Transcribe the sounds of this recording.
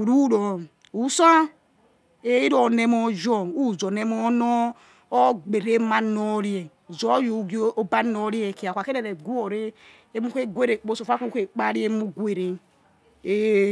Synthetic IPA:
ɾu˦ɾɔ˨ | u˨˦sa˦ | e˦i˦ɾo˨ne˦˨mɔ˦d͡ʒɔ˦u˦˨zo˨ne˦mɔ˦nɔ˦ | o˦ɡ͡be˨ɾe˦ma˦nɔ˦ɾi˦e˨ | zɔ˨˦ju˨ɡo˦ba˦no˦ɾi˦e˨ki˨a˨kʷa˨ke˦ɾe˨ɾe˨ɡu˦o˨ɾe˦ | e˦mu˦ke˦ɡʷe˦ɾe˨k͡po˦so˨fa˦ku˦ke˨k͡pa˦ɾi˦e˦mu˦ɡwe˨ɾe˨ | e˦

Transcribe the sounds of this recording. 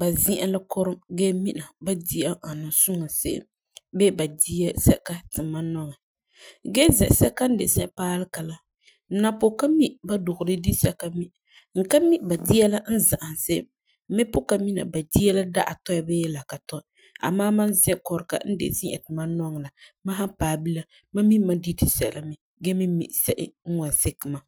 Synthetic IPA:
ba˨zi˦ʔa˦la˦kɔ˦ɾɨ˦mɡeː˦mi˦na˨ba˦di˦a˦a˨nɨ˨su˦ŋa˨sḛ˦ʔɪ̰˦m | be˦ba˨di˦ɛ˦sɛ˦ka˦tɨ˨ma˦nɔ˦ŋɛ˨ | ɡe˦zɛ̰˨ʔsɛ˦ka˦n̩˦dḛ˨sɛ˦ʔpaː˦lɨ˦ka˨la˨ | n̩˦na˨po˨ka˦mi˦ʔba˦dʊ˨ɣʊ˨dɨ˦di˦sɛ˦ka˦mi˦ | ŋ̩˨ka˦mi˦ʔba˨di˦a˦la˦n̩˦za˨ʔa˨n˨se˦ | mɪ˦pʊ˦ka˨mi˦na̰˨ba˨di˦a˦la˦da̰˦ʔa̰˨tɔ˦ja˨be˦jɛ˦la˨ka˨tɔ˦˨ | a̰˨maː˦ma˦nzɛ̃˦kɔ˨ɾɨ˨ka̰˨˦n̩˦dḛ˨zɪ̃˦ʔɛ̰˨tɨ˨ma˦nɔ˦ŋ˨la˨ma˦ɦa˦paː˨bi˦la˦ | ma˦mi˦ma˦di˦ti˨sɛ˨la˦mɛ˦ | ɡe˦mi˦mḭ˨ʔsɛ˦ʔɪ̰˦ŋ̩˦wa˨nsɪ˦kɨ˨ma˨

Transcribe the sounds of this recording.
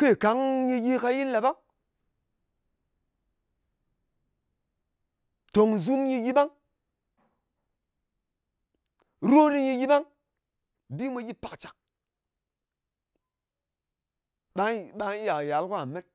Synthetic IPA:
ke˦˨ka˨˦ŋɲi˧ji˦˧ka˧ji˦la˨ba˦ŋ | to˨ŋzu˦mji˧ji˦ba˦ŋ | ɾo˦ɾi˧ɲi˧ji˦ba˦ŋ | bi˦mʷe˧ji˦pa˨kt͡ʃa˨k̚ | ɓa˦ɓa˧˦ja˨ja˨˦lku˦a˨me˦t̚

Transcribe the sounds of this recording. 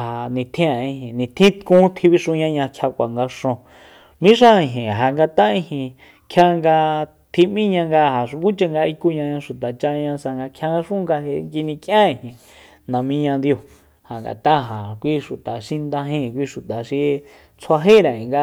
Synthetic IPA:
ha˨nĩ˨t̪ʰĩ˦a˨ĩ˧hĩ˨nĩ˨t̪ʰĩ˦t̪kũ˦t̪ʰi˧βi˧ʂũ˧ɲã˧ɲã˧kʰja˧kʷa˨ŋɡa˧ʂõ˧ | mĩ˦ʂã˦˧ĩ˧˨ɦĩ˨ɦa˨ŋɡa˧t̪a˦ĩ˧hĩ˧ | kʰja˧ŋɡa˧ | t̪ʰi˧mĩ˦ɲã˧ŋɡa˧ha˨ʂũ˧kũ˦t͡ʃa˧ŋɡa˧i˧ku˧ɲã˧ɲã˧ʃu˨t̪a˨t͡ʃa˧ɲã˧sa˧ŋɡa˧kʰja˧ŋɡa˧ʂũ˦ŋɡa˧ɦe˧ŋki˧nĩ˧kjã˦ĩ˧˨hĩ˨ | nã˨mĩ˧ɲã˧nd̪jo˧˨ | ha˨ŋɡa̰˨t̪a˦ɦa˨kʷi˧ʃu˨t̪a˨ʃi˧nd̪ã˧ɦĩ˧˨k̬ʷi˧ʃu˨t̪a˨ʃi˧ | t͡sʰwa˧ɦe˦ɾã˨ĩ˨ŋɡa˧

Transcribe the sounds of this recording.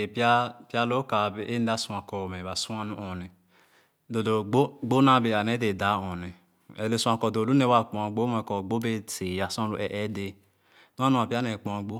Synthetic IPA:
e˨pa˦pja˦lo˦ka˨be˨ʔe˦n˦da˦su˨a˨kɔ˨mɛ˨βa˨su˦a˦nu˦ʔɔ˨nɛ˨ | do˨do˨ɡ͡bo˦ɡ͡bo˦na˦be˨a˨nɛ˨˦de˨da˦ɔ̃˨nɛ˨ | ɛ˨le˨sũ˨˦ã˨kɔ˨do˨lu˦ne˦wa˦k͡pɔ̃˨a˨ɡ͡bo˦mɛ˨kɔ˨ɡ͡bo˦be˦te˨ja˦sɔ̃˦lu˨ʔɛ˨ʔɛ˦de˨ | su˦a˦nũ˦a˨pa˦nɛ˨k͡pɔ̃˨ɡ͡bo˦

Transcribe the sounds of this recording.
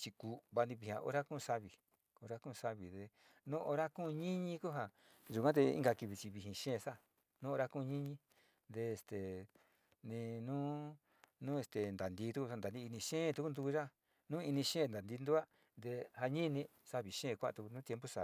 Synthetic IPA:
t͡ʃi˧ku˨βa˧nd̪ĩ˧βi˧hĩ˧ã̰˧ʔo̰˦ɾa˦kũ˦˧sa˧βi˨ | o˧ɾa˦kũ˦˧sa˧βi˨ðe˧ | nũ˦ʔo˧ɾa˦kũ˦˧ɲĩ˦ɲĩ˧ku˦ɦa˧ | ʒu˨kʷã˦t̪̬e˧ḭ˦ŋɡa˧ki˧βi˧t͡ʃi˧βi˧ɦĩ˧ʃẽː˦˧sa˦˨ | nũ˦o˧ɾa˦kũ˦˧ɲĩ˦ɲĩ˧ | nd̪e˧e˧st̪e˨ | nĩ˧nũː˦ | nũ˦e˧st̪e˨nd̪a˨nd̪i˧˦t̪u˦ku˧a˧nd̪a˨nĩ˧i˧nĩ˧ʃẽ˦˨˧t̪u˦ku˦nd̪u˧ʒa˦ | nũ˦i˧nĩ˧ʃẽ˦˨nd̪a˨nd̪i˧nd̪u˦a˦ | nd̪e˧ha˧ɲĩ˦˧nĩ˧sa˦βi˨ʃẽ˦˨˧kʷa̰˦˧t̪u˧ku˧nũ˦t̪je˧mpo˦sa̰˨i˧

